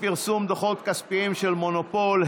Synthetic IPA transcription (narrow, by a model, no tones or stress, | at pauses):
piʁsumd̪oχot̪̚kaspiimʃelmonopolh